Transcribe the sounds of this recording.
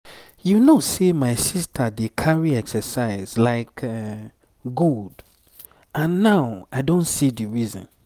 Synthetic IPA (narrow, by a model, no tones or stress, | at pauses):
junosemaɪsistʰədekʰaɹiɛksəsaɪzlaɪkɛ | ɡuld | ãnːaʊaɪdõntsidiɹizɔ̰̃n